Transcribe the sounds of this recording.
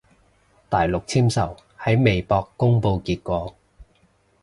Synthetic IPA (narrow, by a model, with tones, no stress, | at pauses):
t̪aː˨jlʊ˨k̚t͡sʰiː˥msɐ˨˩w | hɐ˨˥jme˨jpɔː˧kːʊ˥ŋpo˧wkiː˧t̚kʷɔː˧